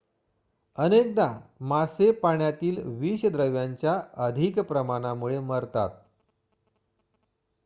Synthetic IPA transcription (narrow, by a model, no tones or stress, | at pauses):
ənek̚d̪amasepaɳjat̪iːlʋiːɕəd̪ɾəʋjaɲt͡ɕjaəd̪ʱikpɾəmañamuɭeməɾt̪a̰t̪̚